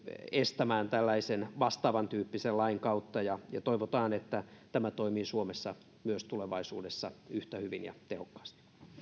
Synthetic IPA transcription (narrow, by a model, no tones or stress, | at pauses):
est̪æmæːnt̪ælːæisenʋɑst̪ɑːʋɑnt̪yːpːisellɑiŋkɑut̪ːɑjɑjɑt̪oiʋot̪ɑːnet̪ːæt̪æmæt̪oimiːsuomesːɑ | myøst̪uleʋɑisṵːdesːɑyht̪æhyʋinjɑ̰t̪ehokːɑ̥ːst̪i̥